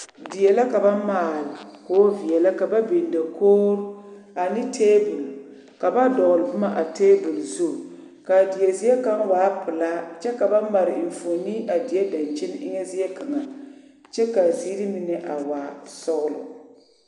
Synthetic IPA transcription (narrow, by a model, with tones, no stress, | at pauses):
di˨jɛ˨la˦ka˨ba˦maː˦˨lkoː˦vi˨jɛ˨la˦ka˨ba˦be˨nda˨koː˦ɾa˨nɪ˦tʰeː˦bʊ˨l | ka˨ba˦dɔ˨ɣʊ˨lɨ˨bʊ˦ma˦ʔa˨teː˦bʊ˨lzu˦˨ | ka˨di˨jɛ˨zi˦jɛ˦ka˦ŋwaː˨˦pʊ˨la˦t͡ʃɛ˦ka˨ba˦ma˨ɾɪ˨ɪ˨ɱ˨fo˨ni˦ʔa˨di˨jɛ˦da˨nt͡ʃi˦n˦ʔɪ˦ŋɛ˦zi˦ɛ˦ka˨ŋa˨ | t͡ʃɛ˦ka˨zi˦ɾi˦mi˦nɛ˦ʔa˨wa˨sɔ˦ɣʊ˦lʊ̰˨